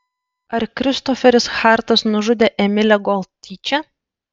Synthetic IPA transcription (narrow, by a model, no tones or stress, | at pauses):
ɐɾkʲɾʲɪst̪ɔfʲɛɾʲɪsxɑˑɾt̪ɐsnʊʒʊd̪ʲeːʔɛmʲɪlʲɛɡɔlʲˠt̪ʲiːt͡ʃʲɛ